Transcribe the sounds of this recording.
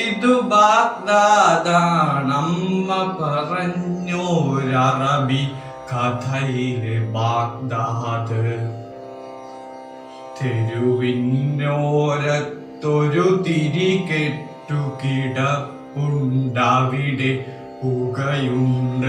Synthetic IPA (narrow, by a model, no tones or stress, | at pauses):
id̪ubaːk̚d̪aːd̪anɐmːɐpɐrɐɲːoːɾɐrɐbi | kɐt̪ʰɐjilebaːk̚d̪aːd̪ɨ | t̪ʰeɾuʋinːoːɾɐt̪ːoɾut̪iɾikeʈːukiɽɐ | pːuɳɖaʋiɽe | puɡɐjunɖ